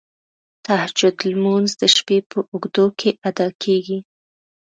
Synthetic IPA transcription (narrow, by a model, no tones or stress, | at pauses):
t̪ahd͡ʒʊd̪lmunzd̪əʃpepʰəʔʊɡd̪okʰeʔad̪ɑkʰeɡi